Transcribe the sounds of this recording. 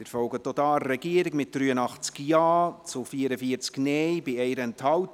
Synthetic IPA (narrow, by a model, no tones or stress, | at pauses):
ɪɾfɔlɡət̪ːotɑːɛɡiəɾɪkmɪt̚d̥ryːənɑχt͡skjɑːt͡sʊfiːəɾəfiəɾt͡sknɛjbɪɛɪɾəɛnthɑwt